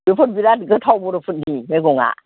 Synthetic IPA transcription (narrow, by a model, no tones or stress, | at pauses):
bɯpʰɯt̚biɾatɡɯtʰawbɔɾɯpʰut̚nimeɡɔŋa̰